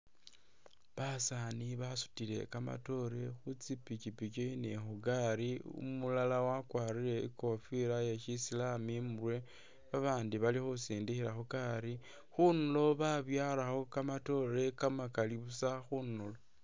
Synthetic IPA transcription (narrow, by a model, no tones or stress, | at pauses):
βasaniβasu̥tile̞̰kama̰to̞ɾe̞xut͡sipit͡ʃipit͡ʃoinexuɡaɾiṵmulalawakwaːɾiɾe̞ḭko̞fiɾajeʃisilamimwe | βaβaːndiβalixusiːndixiɾaxukaɾi | xunulo̞βaβjaːlaxo̞kamato̞ɾe̞kamakaliβusaxunulo